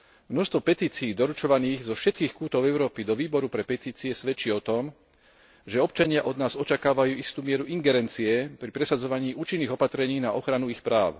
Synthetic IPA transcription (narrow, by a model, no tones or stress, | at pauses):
mnɔʃst̪ʋɔpɛt̪iːt͡siːd̪ɔɾut͡ʃɔʋaniːɣzɔfʃɛt̪̚kiːxkuːt̪ɔʊɛʊɾɔːpid̪ɔʋiːbɔɾupɾɛpɛt̪iːt͡siɛsʋɛt͡ʃiɔt̪ɔm | ʒɛɔpt͡ʃaɲɪaʔɔd̪naːzɔt͡ʃakaːʋajuːist̪uːmɪɛɾuʔiŋɡɛɾɛnt͡siɛpɾipɾɛsad͡zɔʋaɲiːʔuːt͡ʃinːiːɣɔpat̪ɾɛɲiːnaʔɔxɾanuixpɾaːʊ